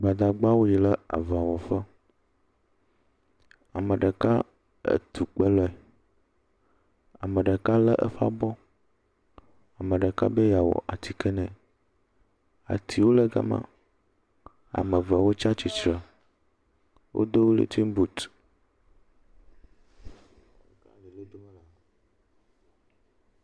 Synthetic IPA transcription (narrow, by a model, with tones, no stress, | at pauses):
ɡ͡ba˨d̪a˨ɡ͡ba˦wo˦ji˨lə˦a̰˨va˨wɔ˨fə˦ | a˨mə̃˨ɖə˨ka˦ | ə̰˦t̪ʰu˨k͡pə˦lɔ˦ɛ˨ | a˨mə̃˨ɖə˨ka˦lə˦ʔə˦fa̰˦bɔ˦ | a˨mə̃˨ɖə˨ka̰˦be˦ja˨wɔ̰˨ʔa˨t̪i˨kə˦nɛ̃˨ | a̰˨t̪ʰi˨wo˦lɛ˦ɡa̰˦mã̰˦ | a̰˨me˨va˨wo˦t͡ʃa˦t͡ɕi˨t͡ʃɾa˨ | wʔo̰˦d̪o˦wo˦lḛ˦t̪ʰi˦ŋ˦bu˨t̪ | ka̰˦˨le˨le˦d̪o˦mɛ˦la˦